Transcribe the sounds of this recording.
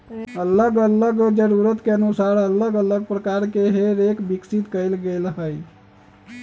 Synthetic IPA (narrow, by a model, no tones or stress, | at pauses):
ələɡələɡd͡ʒəɾuɾət̪keənusaɾələɡələɡ̚pɾəkaɾkeɦeɾekbiksit̪kəjlɡelɦəj